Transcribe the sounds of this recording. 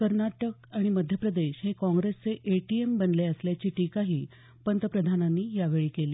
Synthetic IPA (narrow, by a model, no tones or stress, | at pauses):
kəɾnaʈək̚aɽ̃iməd̪ʱjəpɾəd̪eɕɦẽkɔ̃ŋɡɾest͡seʔeʈiembənleəsljat͡ɕiːʈikaɦiː | pənt̪əpɾəd̪ʱananːiːjaʋeɭiːkeliː